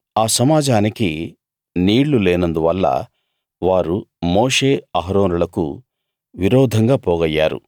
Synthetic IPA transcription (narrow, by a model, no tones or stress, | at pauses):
aːsɐmaːd͡ʒaːniki | niːɽlulɛːnɐnd̪uʋɐlːɐ̰ | ʋaːɾumoːʂeːɐɦɐɾoːnulɐkṵ | ʋiɾɔːd̪ʱɐŋɡaːpɔːɡɐjːa̰ːɾṵ